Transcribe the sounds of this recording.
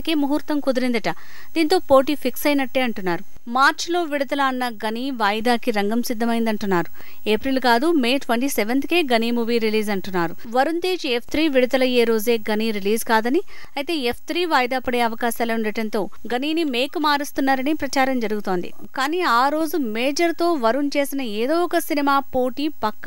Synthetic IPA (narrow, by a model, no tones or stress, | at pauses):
ɐke̞ːmuɦuːɾt̪ɐmkud̪uɾind̪ɐʈɐ | d̪iːnt̪o̞ːpo̞ːʈiːpʰiksɐjnɐʈːeːɐɳʈunːaːɾu | maːɾt͡ʃlo̞ːʋiɽud̪ɐlɐːnːɐɡɐniːʋaːjɐd̪aːkiɾɐŋɡɐmsid̪ʱːɐmɐjind̪ɐɳʈunːaːɾu | eːpɾilkaːd̪umeːʈʋɐɳʈiːseʋent̪keːɡɐniːmuːʋiːɾiliːzɐɳʈunːaːɾu | ʋɐɾunt̪e̞ːd͡ʒepʰt̪ʰɾiːʋiɽit̪ɐlɐjeːɾo̞ːze̞ːɡɐniːɾiliːzkaːd̪ɐni | ɐjt̪e̞ːepʰt̪ʰɾiːʋaːjɐd̪aːpːɐɽeːɐʋɐkaːsaːlɐuɳɖɐʈɐnt̪o̞ː | ɡɐniːnime̞ːkmaːɾist̪unːaːɾɐnipɾɐt͡ʃaːɾɐmd͡ʒɐɾuɡut̪o̞ːnd̪ḭ | kaːniːaːɾo̞ːzumeːd͡ʒɐɾt̪o̞ːʋɐɾunt͡ʃe̞ːsinɐeːd̪o̞ːɔkɐsinimaːpoːʈiːpɐkːɐ